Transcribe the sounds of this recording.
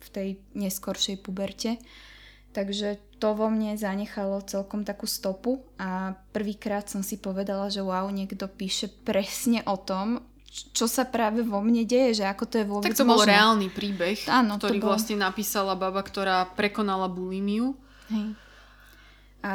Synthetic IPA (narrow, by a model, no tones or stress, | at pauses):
ft̪ɛjɲɛskɔɾʃɛjpubɛɾcɛ | t̪aɡʒɛt̪ɔʋɔmɲɛzaɲɛxalɔt͡sɛlkɔmt̪akuːst̪ɔpuapr̩ʋiːkɾaːt̪sɔmsipɔʋɛd̪alaʒɛwaʊɲɛɡd̪ɔpiːʃɛpɾɛsɲɛʔɔt̪ɔm | t͡ʃɔsapɾaːʋɛʋɔmɲɛɟɛjɛʒɛakɔt̪ɔjɛʋʊɔb̪aɛkt͡s̪t̪ɔmbɔlˠɾɛaːlnipɾiːbɛxaːnɔt̪ɔɔɾiːblasɲɛnapiːsalababakt̪ɔɾaːpɾɛkɔnalabuliːmiu | ɦɛj | a